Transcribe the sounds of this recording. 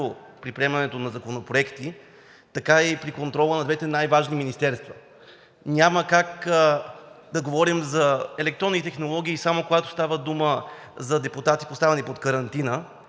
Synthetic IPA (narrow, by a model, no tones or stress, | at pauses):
o | pɾipɾiɛmɐnɛt̪onɐzɐkonopɾoɛkt̪i | t̪ɐkaipɾikont̪ɾɔlˠənɐd̪vɛt̪ɛnajvaʒniminist̪ɛɾst̪vɐ | nʲaməkak | d̪ɐɡovɔɾimzɐɛlɛkt̪ɾɔnit̪t̪ɛxnolˠɔɡ̟iːsamokoɡat̪o̥st̪avəd̪uməzɐd̪ɛput̪at̪ipost̪avɛnipot̪kəɾɐnt̪inə